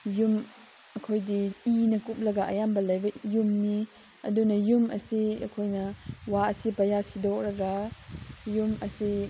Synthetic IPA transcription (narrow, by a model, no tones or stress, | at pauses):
jum | ɐkʰojdiinɐkup̚lɐɡɐʔɐ̰jambɐlɐjbɐjumni | ɐdunɐjumʔɐ̰siɐ̰kʰojnɐwaɐsipɐjasidɔk̚ɾɐɡɐ | jumɐsi